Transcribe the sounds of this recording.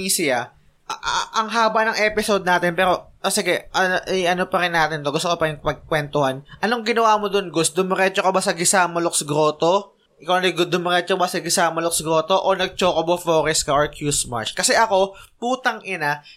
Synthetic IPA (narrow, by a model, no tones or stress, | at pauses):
isɪja | ʔʔɐŋɦaːbɐnɐŋʔɛpɪsod̪̚naːt̪ɪnpɛːɾo̞sɪɡɛʔɐʔɪjʔɐnopɐɾɪnːaːt̪ɪnt̪oɡʊst̪okopɐɾɪŋpɐɡ̚kwɛnt̪ohanʔɐnoŋɡɪnɐwaːmod̪onɡʊs̚d̪ʊmɪɾɛt͡ʃokɐbasɐɡɪsaːmɐloksɡɾo̞ːt̪o | ʔɪkawnɐɡd̪ʊmɪɾɛt͡ʃobasɐɡɪsaːmɐlok̚sɡɾoːt̪oʔonɐɡ̚t͡ʃoːkobofoːɾɛskaʔoɹkʰjusma̰ɹt͡ʃkɐsɛʔɐko̞puːt̪ɐŋʔɪna